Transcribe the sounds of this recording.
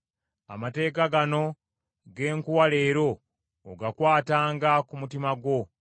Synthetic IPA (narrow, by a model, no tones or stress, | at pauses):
a̰mate̞ːkaɡano̞ | ɡe̞ːŋkuwale̞ːɾo̞ː | ɡakwaːtaːŋɡakumutimaɡwo̞